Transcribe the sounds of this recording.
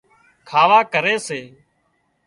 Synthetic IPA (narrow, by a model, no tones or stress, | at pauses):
kʰaːʋaːkəɾeːseː